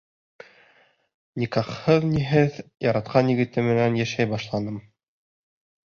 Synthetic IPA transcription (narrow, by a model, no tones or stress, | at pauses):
nʲikɑχhɤðniɦɘðjɑɾɑt̪̚qɑnjɘ̆ɡɘ̆t̪ɘmɘ̆nænjæʃæjbɑʃlˠɑnɤm